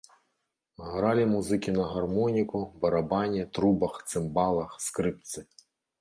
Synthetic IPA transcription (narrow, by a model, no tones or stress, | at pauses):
ɦɾɑlʲimuzɪkʲinɐɦɐrmɔnʲikʊbɐɾɐbɑnʲit̪ɾubɐxt̪sɪmbɑlˠɐxskɾɪp̚t̪sɪ